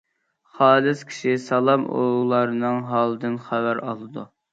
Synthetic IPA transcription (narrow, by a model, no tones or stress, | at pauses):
χɑːlˠɨskʲʰi̥ʃisɑlˠɑmo̰lˠɑɾɨnɨŋɦɑːlˠɨd̪ɨnχævæɾɑ̰lˠɨd̪ṵ